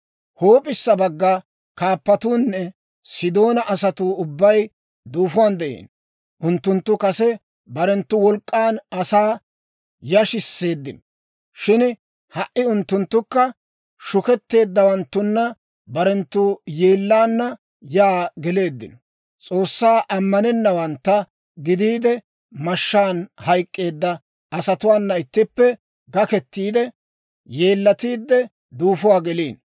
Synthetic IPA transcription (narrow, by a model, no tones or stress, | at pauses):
hoːpʼɪsːɐbɐɡːa | kaːpːɐt̪uːnːɛ | sɪd̪o̞ːnɐʔɐsɐt̪uːʊbːɐj | d̪uːfʊwaːnd̪ɛʔḛːn | ʔʊnt̪ːʊnt̪ːʊkɐsɛ | bɐɾɛnt̪ːʊwɔlkʼːaːnɐsaː | jɐʃɪsːe̞ːd̪ːɪnɔ | ʃɪn | hɐʔɪʊnt̪ːʊnt̪ːʊkːɐ | ʃʊkɛt̪ːe̞ːd̪ːɐwɐnt̪ːʊnːɐ | bɐɾɛnt̪ːuːjeːlːaːnːɐ | jaːɡɛle̞ːd̪ːɪ̰nɔ̥ | t͡sʼo̞ːsːaːʔɐmːɐnɛnːɐwɐnt̪ːɐ | ɡɪd̪iːd̪ɛ | mɐʃːaːnhɐjkʼːe̞ːd̪ːɐ | ɐsɐt̪ʊwaːnːɐɪt̪ːɪpːɛ | ɡɐkɛt̪ːiːd̪ɛ | je̞ːlːɐt̪iːd̪ːɛ | d̪uːfʊwaːɡɛliːn